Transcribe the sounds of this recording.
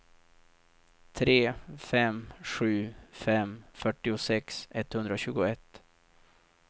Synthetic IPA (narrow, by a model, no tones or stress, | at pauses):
t̪ʰɾeːfɛmɧʉ̟ːfɛmfœʈːɪʊsɛksɛt̪ːhɵnd̪ɾaɕʉ̟ːɡʊɛt̪ː